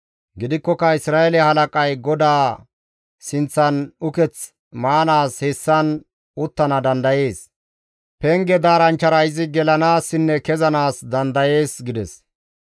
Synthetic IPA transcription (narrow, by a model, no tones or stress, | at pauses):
ɡɪd̪ɪkːɔkɐɪsɾaːɛlɛhɐlɐkʼɐjɡɔd̪aː | sɪnt͡sːɐnʊkɛt͡s | maːnaːshɛsːɐn | ʊt̪ːɐnɐd̪ɐnd̪ɐje̞ːs | pɛŋɡɛd̪aːɾɐnt͡ʃːɐɾɐjɪzɪɡɛlɐnaːsːɪnːɛkɛzɐnaːsd̪ɐnd̪ɐje̞ːsɡɪd̪ɛs